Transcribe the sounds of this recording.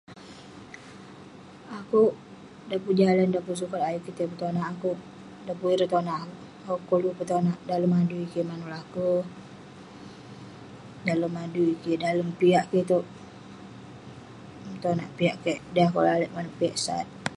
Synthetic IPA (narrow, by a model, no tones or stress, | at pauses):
akuʔ | dapud͡ʒalandapus̬ukat̪ajuʔkːit̪əpət̪onaʔːkuʔ | dapuiɾət̪onaʔa | akukːolupət̪onaʔdaləmaduikemanulaku | daləmaduikedaləmpiaʔket̪oʔ | t̪ona̰ʔpiaʔkeʔdaakṵlaləʔmanuʔpiaʔsa̰t̪̚